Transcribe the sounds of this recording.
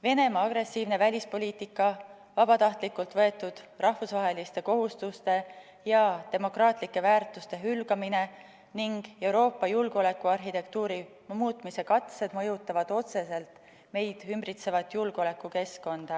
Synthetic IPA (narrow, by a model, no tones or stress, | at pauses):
ve̞ne̞mɑɑɡ̥ɾe̞sːiːvne̞vælʲispo̞lʲiːt̪ikːˑɑ | vɑb̥ɑt̪ɑht̪likːˑult̪vɤe̞t̪ːˑud̪̥rʔɑhfusvɑɦe̞list̪e̞ko̞ɦust̪ust̪e̞ | jɑt̪e̞mo̞krɑːt̪ˑlikːˑe̞væːrt̪ˑust̪e̞ɦylɡɑmine̞ | niŋɡ̥e̞wɾo̞ːpːˑɑjulɡole̞kːˑuɑrɦit̪e̞kt̪uːɾi | muːt̪ˑmise̞kɑt̪se̞d̪mɤ̞jut̪ːˑɑvɑd̪̥o̞t̪se̞se̞lt̪ | me̞jd̪̥ymbrit̪se̞vɑt̪ːjulɡ̥o̞le̞kːˑuke̞sko̞nd̪̥ɑ